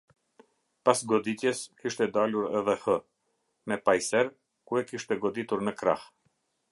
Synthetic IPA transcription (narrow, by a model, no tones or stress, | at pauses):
pasɡɔd̪it̪jɛskiʃt̪ɛd̪aluɾɛðɛhə | mɛpajsɛɾ | kuɛkiʃt̪ɛɡɔd̪it̪uɾnəkɾa̰h